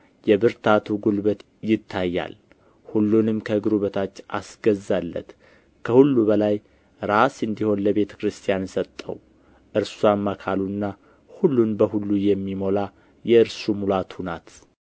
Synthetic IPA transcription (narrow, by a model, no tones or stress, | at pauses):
jɛbɨɾt̪ʰat̪ʰuɡulbət̪ | jɪt̪ʰːajːa̰l | hulːunɨmkʰəɡɨɾuβət̪ʰat͡ʃːa̰sɡ̥əzːalːə̰t̪ | kʰəhulːuβəlaj | ɾasɨnd̪iho̞nləβe̞t̪ʰə̥kɾɨst̪ʰijansət̪ʼːə̰w | ʔɨɾsuamːakʰalunːa | hulːunbəhulːujɛmːimo̞la | jɛɨɾsumulat̪hunat̪